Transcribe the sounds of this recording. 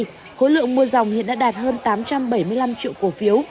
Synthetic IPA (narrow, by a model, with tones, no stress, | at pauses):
j | xo̰˧˥lɨ̰˧˨əŋmu˧əza˨˩wŋ͡mhḭ˧˨nɗa̰ː˧˥ɗaː˨˩t̚həː˧nt̪aː˨˦mt͡ɕa˧mɓə˧˩jmɨ˧əjla˧mt͡ɕḭ˧˨əwku˧˩əfi˨˦əw